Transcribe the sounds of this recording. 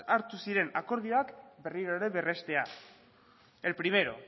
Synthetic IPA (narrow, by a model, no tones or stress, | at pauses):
aɾt̪usiɾe̞nako̞ɾð̞ioakbe̞riɾoɾe̞βe̞re̞st̪e̞a | e̞lpɾime̞ɾo̞̰